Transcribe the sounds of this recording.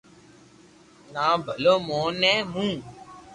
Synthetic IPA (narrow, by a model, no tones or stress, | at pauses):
nãbəlomɔ̃nɛ̃mũ